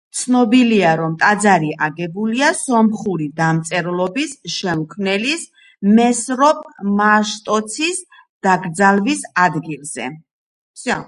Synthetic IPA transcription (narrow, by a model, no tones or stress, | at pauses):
t̪sʰnɔbiliaɾɔmt̪ʼad̪zaɾiʔaɡɛbuliasɔmχuɾid̪amt̪sʼɛɾlˠɔbisʃɛmkʰvnɛlis | mɛsɾɔpʼmaʃt̪ʼɔt̪sʰis | d̪̥aɡɾd̪zalvisad̪ɡilˠz̥ɛ̰ | sa